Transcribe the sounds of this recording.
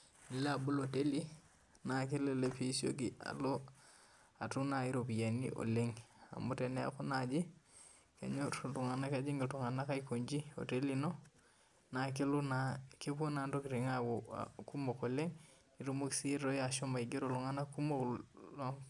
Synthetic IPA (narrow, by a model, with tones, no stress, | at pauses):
ni˨la˦a˨bu˦lo˨te˦li˦ | na˨k̬e˦le˦le˦pi˦so̰˦ɡi˨a̰˨lo˦ | a˨tu˦na˨i˦ɾo˨pi˨ja˨nḭ˦ʔo̰˨le˦ŋa̰˨mu˦te˨ne˦a̰˨ku˦nad͡ʒi˦ | ka̰˨ɲo˦ɾtu˨ŋa˨na˦ka˦d͡ʒi˦ŋɡi˨tu˨ŋa˨na˦ka˦iko˨ɲd͡ʒi˦o̰˨te˦li˦no˦ | na˨k̬e˦lu˦nake˦po˦na˨ndo˦ki˨ɾi˨ŋawo̰ku˦mo˨ko˨le˦ŋ | i˨ɾo˦mu˦ksi˦ɾo˦ja˨ʃo˦mba˨iɡe˦ɾo˨lu˨ŋa˦na˦ku˦mo˦klo˦